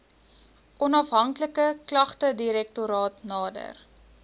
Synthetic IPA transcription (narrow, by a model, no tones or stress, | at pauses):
ʔɔnɐfɦɐŋkləkəklɐχtədiɾɛk̚tuɾɑːtnɑːdə̰r